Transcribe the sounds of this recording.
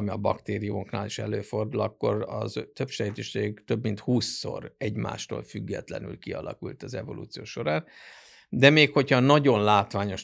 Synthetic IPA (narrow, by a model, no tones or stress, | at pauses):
miɒbɒkt̪eːɾijumo̞kna̰ːliʃɛløːfo̞rd̪ulɒkːo̞rɒzt̪øpʃɛɛt̪eʃeɡt̪ø̞bmint̪huːsːo̞̰rɛɟma̰ːʃt̪o̰ːlfyɡːɛt̪lɛ̰nylkiɒlʔɒ̰kult̪ɒzɛvo̞lṵt̪sijoːʃo̞ɾaːn | d̪ɛmeːkho̞chɒnɒɟo̞nlaːt̪ʋaːɲo̞ʃ